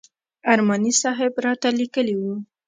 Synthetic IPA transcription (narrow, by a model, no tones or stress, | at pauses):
aɾmanisɑɦɪbɾɑt̪alikəliwu